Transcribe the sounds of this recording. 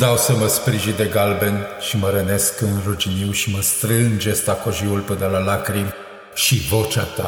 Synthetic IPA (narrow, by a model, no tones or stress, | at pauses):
d̪awsəməspɾiʒid̪e̞ɡalbenʃiməɾəne̞skɨnrud͡ʒiniwʃiməst̪ɾɨnd͡ʒest̪akoʒiulpɨnəlalakɾim | ʃivo̞t͡ʃat̪a̰